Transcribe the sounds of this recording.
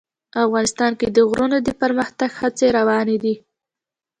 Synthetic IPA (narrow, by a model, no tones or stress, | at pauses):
afɣɑnɪst̪ɑnked̪əɣɾunod̪əpəɾməxt̪aɡhat͡seɾawɑned̪i